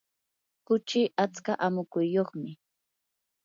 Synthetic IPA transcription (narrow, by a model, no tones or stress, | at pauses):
kʊt͡ʃɪʔat͡skaʔamʊkʊjjːoχmɪ